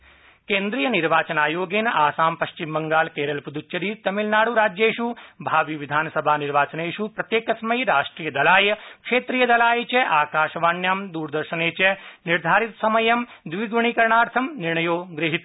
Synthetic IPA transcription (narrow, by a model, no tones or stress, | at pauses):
keːnd̪ɾiːjɐniɾʋaːt͡ʃɐnaːjoːɡeːnaːsaːmpɐʃt͡ʃimbɐŋɡaːlkeːɾɐlpud̪ut͡ʃt͡ʃɐɾiːt̪ɐmilnaːɽuɾaːd͡ʒjeːʃubʱaːʋiʋid̪ʱaːnɐsɐbʱaːniɾʋaːt͡ʃɐneːʃupɾɐt̪jeːkɐsmɐjɾaːʂʈɾiːjɐd̪ɐlaːjɐkʂeːt̪ɾijɐd̪ɐlaːjet͡ʃeʔaːkaːʃɐʋaːɳjaːmd̪uːɾd̪ɐɾʃɐneːt͡ʃeniɾd̪ʱaːɾit̪sɐmɐjɐm | d̪ʋiɡʋuɳikɐɾɳaːɾt̪ʰɐmniɾɳɐjoːɡɾɪɦit̪